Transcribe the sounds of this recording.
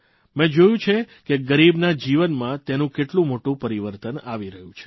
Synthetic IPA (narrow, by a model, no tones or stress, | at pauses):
mẽd͡ʒojũt͡ʃʰe | keɡəɾibnad͡ʒiʋənmãt̪enũkeʈlũmoʈũpəɾiʋəɾt̪ənaʋiɾəɦũt͡ʃʰe̥